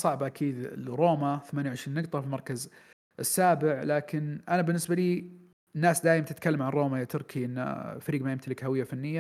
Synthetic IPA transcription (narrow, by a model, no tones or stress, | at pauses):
sˤɑʕbʔakʰiːd̪̰ɾoːmaθamaːnjwʕɪʃɾiːnːɨɡt̪ˤɑfilmɑɾˤkaz | ɪsːaːbɪʕlaːkɪnʔanabɪnːɪsbaliː | nːaːsd̪aːjɪmant̪ɪt̪kalːamʕanɾoːmajat̪ʊɾˤkʰiʔɪn̰ːfaɾiːɡmajɪmt̪alɪkhawɪjːafanːɪjːa